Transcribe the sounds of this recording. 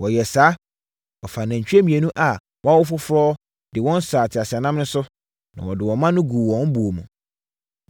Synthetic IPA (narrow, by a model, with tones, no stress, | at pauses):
wɔ˨jɛ˨saː˨˦ | ɔ˨fa˨nã˨ɲ̩˨t͡ɕᶣe˦mĩ˨e˨nũ˦ʔa˨ | wʔwʊ˦fʊ˦fɾɔː˦ | d̥ɪ˨wɔ̃˦n˦saː˨tʰɪ˨a˨sɪ˨a˨nã˦mnʊ̃˦sʊ˦ | nã̰˨wɔ˨dɪ˨wɔ̃˨mã˦nʊ̃˦ɡu˨wɔ̃˦n˦bu˨o˨mṵ̃˨